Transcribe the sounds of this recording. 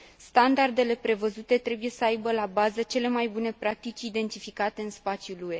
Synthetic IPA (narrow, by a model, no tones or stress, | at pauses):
st̪and̪ard̪e̞le̞pɾe̞vəzut̪e̞t̪ɾe̞buje̞səajbəlabazət͡ʃe̞le̞majbune̞pɾak̚t̪it͡ʃʲid̪e̞nt̪ifikat̪e̞ɨnspat̪sjulue̞